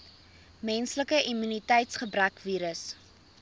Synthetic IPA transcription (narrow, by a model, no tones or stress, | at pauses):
mɛnsləkəʔimynitɛjtsχəbɾækviːɾəs